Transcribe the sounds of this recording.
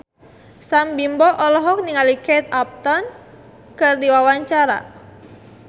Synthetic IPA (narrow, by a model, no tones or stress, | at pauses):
sambimbɔʔɔlɔɦɔk̚niŋaliket̪ap̚t̪ɔn | kɨrdiwawaɲt͡ʃaɾa̰